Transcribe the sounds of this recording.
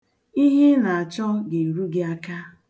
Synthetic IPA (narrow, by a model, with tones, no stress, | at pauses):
i˦ɦi˦na˨a˨t͡ʃɔ˦ɡe˨i˨ɾu˦ɡɪ˦a˦ka˦